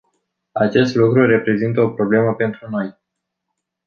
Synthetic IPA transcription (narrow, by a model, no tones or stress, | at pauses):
at͡ʃe̞st̪lukɾuɾe̞pɾe̞zint̪əo̞pɾo̞ble̞məpe̞nt̪ɾuno̞j